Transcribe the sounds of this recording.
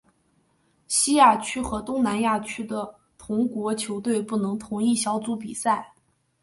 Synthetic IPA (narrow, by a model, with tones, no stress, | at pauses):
ɕi˥ja˥˩t͡ɕʰy˥xɤ˧˥t̪ʊ˥ŋna˧˥nja˥˩t͡ɕʰy˥d̪ə˧ | t̪ʰʊ˧˥ŋkwɔ˧˥t͡ɕʰjo˧˥ʊt̪we˥˧ɪpu˥˩nɤ˧˥ŋt̪ʰʊ˧˥ŋi˥˩ɕjɑ˧˥ʊt͡su˧˥p̬i˨˩sa˥˩ɪ